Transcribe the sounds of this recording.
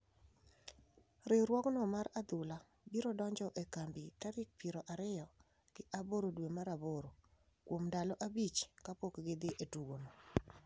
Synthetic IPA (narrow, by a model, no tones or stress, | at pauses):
ɾɪɾwɔknɔmaɾad̪ʊla | biɾɔdɔɲd͡ʒɔʔekambitaɾɪk̚piɾoʔaɾɪjɔ | ɡ̥ɪʔaboɾodwemaɾaboɾo | kwomdalɔʔabit͡ʃkapokɡed̪eʔetuɡonɔ